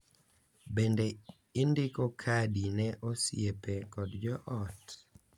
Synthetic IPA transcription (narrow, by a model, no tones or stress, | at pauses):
bende | ɪndɪkɔkʰadinɛʔosjepekɔdd͡ʒɔʔɔt